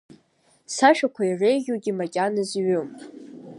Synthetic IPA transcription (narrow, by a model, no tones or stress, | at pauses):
saʃᶣakʷʰairejʒʲuɡʲimakʲʼanɨzɥum